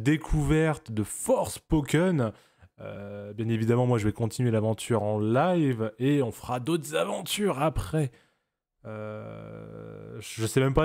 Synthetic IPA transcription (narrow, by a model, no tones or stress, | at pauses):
d̪ekʰuvɛʁt̪d̪əfɔʁspɔkʲɔn | ø̰bjɛ̃nevid̪amɑ̃mwaʒəvɛkɔ̃t̪inɥelavɑ̃t̪ʰyʁɑ̃lajveɔ̃fəʁad̪ot̪χzavɑ̃t̪yʁapχɛ | ø | ʒʒəsɛmɛmpa